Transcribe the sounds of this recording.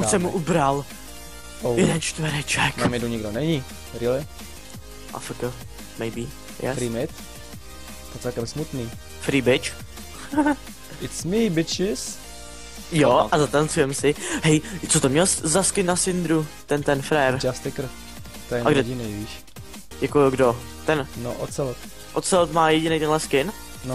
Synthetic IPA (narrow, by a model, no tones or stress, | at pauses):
ʔuʃsɛmːuʔubɾal | ojɛdɛnt͡ʃt̪vɛɾɛt͡ʃɛkmamɪd̪uɲɪɡdonɛɲi | ɾilɪ | ʔa̰fakə | mɛjbiː | jɛ̰fɾimɪt̪ | t̪ot͡sɛlkɛmsmut̪niː | fɾiːbɪt͡ʃ | ɪt̪smibɪt͡ʃɪs | joʔazat̪ant͡sujɛmsɪɦɛjt͡sot̪omɲɛlszaskɪnːasɪnd̪ɾut̪ɛnt̪ɛnfɾɛɾd͡ʒast̪ɪkɾ̩ | t̪ojɛaɡdɛɟɪniːviːʃ | jakojoɡdo | t̪ɛnno̰ʔosɛlt̪ | ʔot̪sɛlt̪maːjɛɟɪnejt̪ɛnlɛskɪn | no